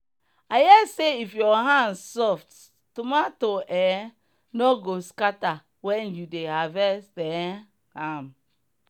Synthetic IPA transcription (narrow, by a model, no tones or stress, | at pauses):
ajɛseifjɔɦãndsɔft | tumatoʔɛ | nɔɡoskata | wɛ̃njudehavɛstɛ | hãm